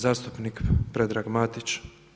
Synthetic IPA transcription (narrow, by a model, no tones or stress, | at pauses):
zaːst̪upnikpɾe̞d̪ɾaːɡmat̪it͡ʃ